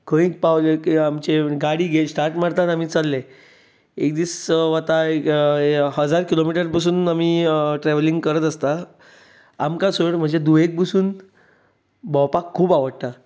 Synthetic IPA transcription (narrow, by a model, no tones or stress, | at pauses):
kʰə̃ĩk̚pawlekiamt͡ɕeɡaɽiːɡʱesʈaɾʈmaɾt̪at̪am̤iːt͡salːe | ekd̪iːsʋat̪aekɦəd͡zaɾkilomiʈəɾbəs̬uːnamiːʈɾɛʋliŋɡkəɾət̪əst̪a | amkasəɽm̤əɳd͡zed̪uek̚busuːn | bɔwpakʰːuːbaʋəɽt̪a